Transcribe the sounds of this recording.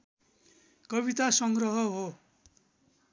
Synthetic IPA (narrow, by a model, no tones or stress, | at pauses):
kʌβit̪asʌŋɡrʌɦʌɦo